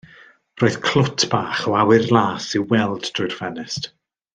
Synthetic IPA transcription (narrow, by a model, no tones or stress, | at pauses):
roːɨðkʰl̥ʊtʰb̥aːχɔawɨrlˠaːsiwɛlˠdd̥rʊɨr̥fɛnɪst